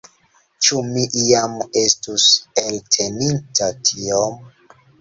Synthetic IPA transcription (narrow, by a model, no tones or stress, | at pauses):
t͡ʃumiʔiame̞stuseltʰe̞nintʰatʰiom